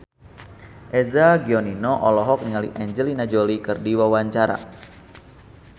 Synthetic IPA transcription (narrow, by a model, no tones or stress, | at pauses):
ʔɛzaɡiɔninɔʔɔlɔɦɔk̚niŋalḭʔɛɲd͡ʒɛlinad͡ʒolikɨrdiwawaɲt͡ʃaɾa̰